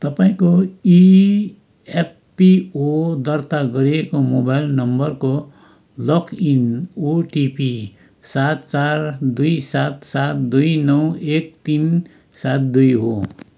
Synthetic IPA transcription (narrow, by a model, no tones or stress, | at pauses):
t̪ʌpaĩkoi | epːiod̪ʌrt̪aɡʌɾiekomobajlnʌmbʌrko | lʌkinoʈipi | sat̪t͡sard̪ujsat̪sat̪d̪ujnʌwek̚t̪in | sat̪̚d̪ujɦo